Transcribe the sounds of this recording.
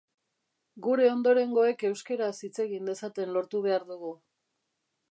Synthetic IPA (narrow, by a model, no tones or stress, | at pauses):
ɡuɾe̞o̞nd̪o̞ɾe̞ŋɡo̞e̞ke̞wske̞ɾasit͡se̞ɣind̪e̞sat̪e̞nlo̞ɾt̪uβ̞e̞aɾðuɣu